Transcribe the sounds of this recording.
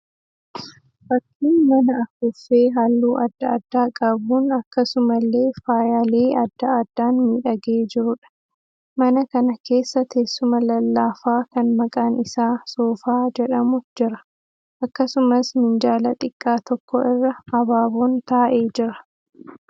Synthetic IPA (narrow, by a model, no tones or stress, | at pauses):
fɐkʰːiːnmɐnɐɐfʊfːeːɦalːuːʔɐd̪ːɐɐd̪ːaːkʼɐbuːnɐkːɐsʊmɐlːe̞ːfaːjaːle̞ːɐd̪ːɐɐd̪ːaːnmiːᶑɐɡe̞ːd͡ʒɪɾʊᶑɐ̥ | mɐnɐkɐnɐkʰe̞ːsːɐt̪ʰeːsːʊmɐlɐlːaːfaːkɐnmɐkʼaːnɪsaːsoːfaːd͡ʒɛᶑɐmʊd͡ʒɪɾɐ | ʔɐkːɐsʊmɐsmɪnd͡ʒaːlɐt̪ʼɪkʼːaːt̪ɔkːɔʔɪrːɐɐbaːboːnt̪aːʔe̞ːd͡ʒɪɾɐ̥